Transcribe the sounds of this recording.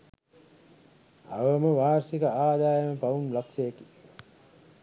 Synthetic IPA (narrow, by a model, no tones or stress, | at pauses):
a̰ʋəməʋaːɾsikəaːd̪aːjəməpaʋunlaksejeki̥